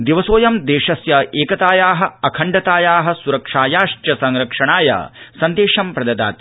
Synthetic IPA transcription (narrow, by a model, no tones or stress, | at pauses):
d̪iʋɐsoːjɐmd̪eːʂɐsjɐeːkɐt̪aːjaːɦɐ̆ɐkʰɐɳɖɐt̪aːjaːɦɐ̆suɾɐkʂaːjaːʂt͡ʃjɐsɐŋɾɐkʂɐɳaːjɐ̰sɐnd̪eːʂɐmpɾɐd̪ɐd̪a̰ːt̪